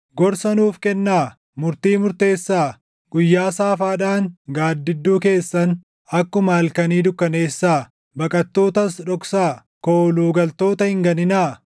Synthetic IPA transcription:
ɡɔɾsɐnuːfkɛnːaː | mʊɾt̪iːmʊɾt̪e̞ːsːaː | ɡ̥ʊjːaːsaːfaːᶑaːŋɡaːd̪ːɪd̪ːuːke̞ːsːɐn | ɐkːʊmaːlkɐniːd̪ʊkːɐne̞ːsːaː | bɐkʼɐt̪ːo̞ːt̪ɐsᶑɔksaː | koːluːɡɐlt̪o̞ːt̪ɐhɪŋɡɐnɪnaː

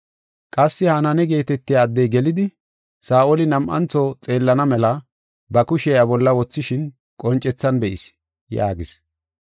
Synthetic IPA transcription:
kʼɐsːɪhɐnɐnɛɡe̞ːt̪ɛt̪ːɪjaːd̪ːɛjɡɛlɪd̪ɪ | saːʔolɪnɐmʔɐ̰nt͡sɔt͡sʼe̞ːlːɐnɐmɛlɐ | bɐkʊʃɛjabɔlːɐwɔt͡sːɪʃɪn | kʼɔnt͡ʃʼːɛt͡sːɐnbɛʔɪs | ja̰ːɡɪs

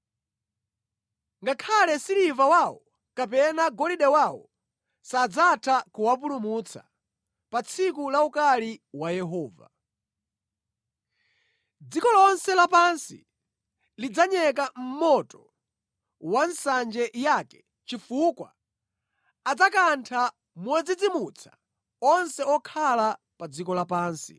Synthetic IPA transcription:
ŋɡakʰalɛsiɾivawawɔ | kapɛnaɡɔliɗɛwawɔ̰ | sad͡zatʰakuwap̬ulumut͡sʰa̰ | pat͡sʰikulaukaliwajɛɦɔːva̰ | d͡zikɔlɔnsɛlapansḭ | lid͡zaɲɛk̬am̩mɔtɔ | wansand͡ʒɛjakɛ̥ | t͡ʃifukwa̰ | ad͡zakantʰa | mwɛd͡zid͡zimut͡sʰḁ | ɔnsɛɔkʰala | pad͡zikɔlapaːnsi

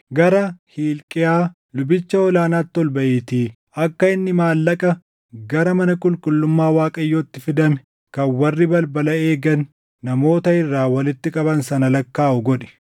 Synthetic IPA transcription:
ɡɐɾɐhiːlkʼɪjaː | lʊbɪt͡ʃːɐɔlaːnaːt̪ːɔlbɐʔiːt̪iː | ɐkːɐɪnːɪmaːlːɐkʼɐ | ɡɐɾɐmɐnɐkʼʊlkʼʊlːʊmːaːwaːkʼɐjːoːt̪ːɪfɪd̪ɐmɛ̥ | kɐnwɐrːɪbɐlbɐlɐe̞ːɡɐnː | ɐmo̞ːt̪ɐɪrːaːwɐlɪt̪ːɪkʼɐbɐnsɐnɐlɐkːaːʔʊɡɔᶑɛ̥

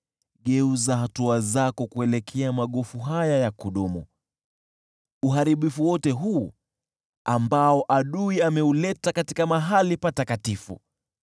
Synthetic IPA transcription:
ɠɛuzaɦatuazakɔkuɛlɛkʰɛamaɠɔfuɦajajakuɗumṵ | uɦaɾiɓifuwɔtɛɦuː | ambaɔʔaɗuiamɛulɛtakatikamaɦalipatakatifṵ

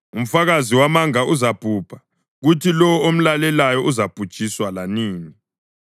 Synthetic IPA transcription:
um̩faɣaziwamaŋaʔuzab̥ʱuːb̥ʰʱḁ | ɣutʰilɔwɔom̩lalɛlajɔʔuzab̥ʱud̥ʒ̥ʼʱiswalaniːni

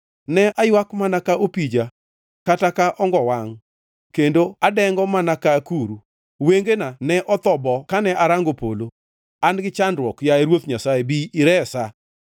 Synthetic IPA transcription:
nɛʔajwakmanakaʔopid͡ʒa | katakaʔɔŋɡɔwaŋ | kendoadɛŋɡɔmanakakuɾu | weŋɡenanɛʔɔt̪ɔbɔkanɛʔaɾaŋɡopolo | anɡɪt͡ʃandɾwɔkjaeɾwot̪ɲasaebiiɾɛsa

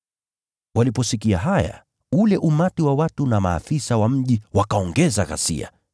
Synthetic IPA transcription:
walipɔsikiaɦaja̰ | ulɛʔumatiwawatunama̰ːfisawam̩ʄiwakaɔŋɡɛzaɣa̰sḭa̰

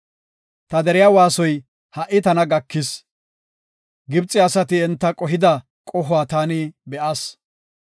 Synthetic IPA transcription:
t̪ɐd̪ɛɾɪjaːwaːsɔj | hɐʔɪt̪ɐnɐɡɐkːɪs | ɡɪbt͡sʼːɪɐsɐt̪ɪɛnt̪ːɐkʼɔɦɪd̪ɐ | kʼɔɦʊwaːt̪aːnɪbɛʔɐs

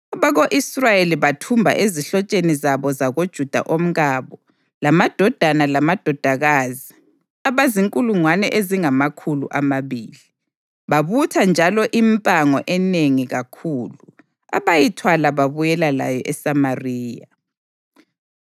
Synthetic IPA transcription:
ɔβaɣoʔisrajeliβatʰumbʱa̰ʔeziɬɔt͡ʃʼenizaβɔzaɣod̥ʒ̥ʱud̥ʱa̰ʔom̩ɣaːβɔ | lamad̥ʱɔd̥ʱanalamad̥ʱɔd̥ʱaɣaːzi | aβaziŋkʼuluŋwanɛ̰ʔeziŋamakʰulṵʔamaβiːli | βaβutʰand͡ʒʱalɔʔimpʼaŋɔʔɛneŋiɣakʰuːlu | a̰βajitʰwalaβaβujɛlala̰jɔʔɛsamariːja

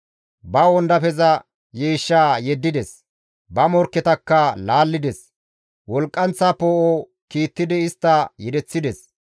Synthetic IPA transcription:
bɐwɔnd̪ɐpɛzɐ | jeːʃːaːjɛd̪ːɪd̪ɛs | bɐmɔɾkːɛt̪ɐkːɐlaːlːɪd̪ɛs | wɔlkʼːɐnt͡sːaːpoːʔo | kiːt̪ːɪd̪ɪɪst̪ːɐjɛd̪ɛt͡sːɪd̪ɛs

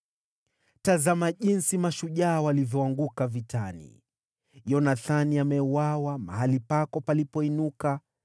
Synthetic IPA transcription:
tazamaʄinsimaʃuʄaːwalivjɔaŋɡukavitanḭ | jɔnaθaniamɛuwawama̰ɦalipakɔpalipɔinuka

